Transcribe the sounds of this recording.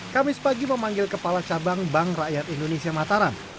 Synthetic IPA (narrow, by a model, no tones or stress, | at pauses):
kamɪspaɡiməmaŋɡɪlkəpalat͡ʃabaŋbaŋrajat̪indonesiamat̪aɾan